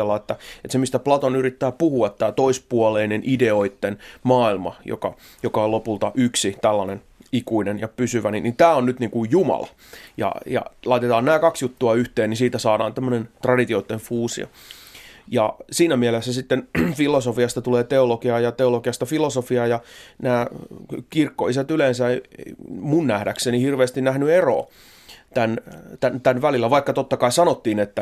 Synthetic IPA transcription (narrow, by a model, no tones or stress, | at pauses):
elːɑet̪ːæet̪semist̪æplɑt̪onyrit̪ːæːpuhuɑt̪t̪æːt̪oispuoleinenʔide̞oit̪ːenmɑːilmɑ̰jo̰kɑ̰ | jokɑolopult̪ɑʔyksit̪ælːɑnen | ikuinenjɑpysyʋæninint̪æːonnyt̪niːŋkujjumɑ̰lɑ̰ | jɑ̰jɑ̰lɑit̪et̪ɑːnnæːkɑksjut̪ːuɑyht̪eːnnisiːt̪æsɑːɾɑ̰ːnt̪æmːønent̪rɑdit̪ioit̪ːeɱfuːsḭo̰ | jɑsiːnæmielesːæsit̪ːenfilosofiɑst̪ɑt̪uleːt̪eolokiɑjɑt̪eolokiɑst̪ɑfilosofiɑjɑnæːkirkːo̰is̬æt̪ylensæeimunnæhdæksenihirʋeːst̪innæhnyero̰ː | t̪ænt̪ænt̪ænʋælilːˑæʋɑikːɑt̪ot̪ːɑkɑisɑnot̪ːiːnet̪ːæ